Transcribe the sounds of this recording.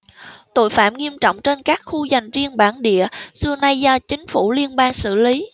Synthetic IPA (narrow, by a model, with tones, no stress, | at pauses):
t̪o̰˧˨jfaː˧˩˨mŋi˧əmt͡ɕɔ̰˧˨wŋ͡mt͡ɕe˧nkaː˦˥k̚xu˧za˨˩jŋ̟zi˧ənɓaː˧˩nɗḭ˧˨əsɨ˧əna˧jzɔ˧t͡ɕï˨˦ŋ̟fu˧˩li˧ənɓaː˧ŋsɨ̰˧˩li˨˦